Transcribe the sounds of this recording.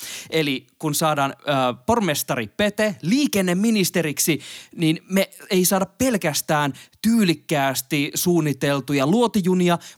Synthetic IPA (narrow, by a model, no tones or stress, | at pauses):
elikunsɑːdɑːnːpormest̪ɑripet̪eliːkenːemːinist̪eɾiksininmeeisɑːdɑppe̞lkæst̪æːnt̪yːlikːæːst̪isuːnːit̪elt̪ujɑluot̪ijuniɑ